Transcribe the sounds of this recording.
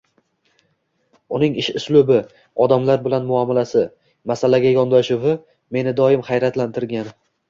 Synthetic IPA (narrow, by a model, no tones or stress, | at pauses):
ʊnɪŋɪʃʊslʊbɪ | ɒd̪amlaɾbɪlanmʊɒmalasɪ | masalaɡʲajɒnd̪ɒʃʊvɪ | me̞nɪd̪ɒjɪmχajɾat̪lant̪ʰɪɾɡʲan